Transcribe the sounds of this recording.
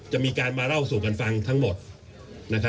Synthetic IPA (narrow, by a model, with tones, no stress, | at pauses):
t͡ɕa˨˩miː˧kaː˧nmaː˧ɾa˥˩wsuː˨˩ka˧nfa˧ŋt̪ʰa˦˥ŋmo˨˩t̪̚ | na˦˥kʰa˦˥